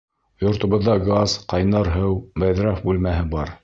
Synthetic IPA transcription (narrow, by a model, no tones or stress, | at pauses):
jŏɾt̪ŏβɤ̆ðːɑɡazqɑjnɑɾɦɤwbæðɾɑfbʉlmæɦɘbɑɾ